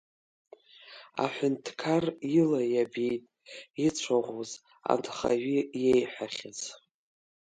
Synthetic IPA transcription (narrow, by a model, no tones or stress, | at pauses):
a̰ħʷʊntʰkʰarilajabejtʼ | it͡sʷʰaʁʷoz | a̰ndʰʼχa̰ɥijejħʷᶣaχʲɪz